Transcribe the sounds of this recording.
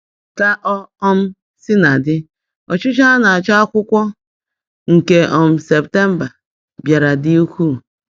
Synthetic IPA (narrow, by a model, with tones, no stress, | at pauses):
ka˦ʔɔ˦ɔ˦m̩˦ | sɪ˦na˨dɪ˦ | ɔ˨t͡ʃʊ˦t͡ʃa˦na˨t͡ʃa˦a˦kʷʊ˦kʷɔ˦ | ŋ̩˨ke˨ʔɔ˨m̩˦se˨pte˦m̩˦ba˨ | bja˨ɾa˨di˦u˦kʷu˦˨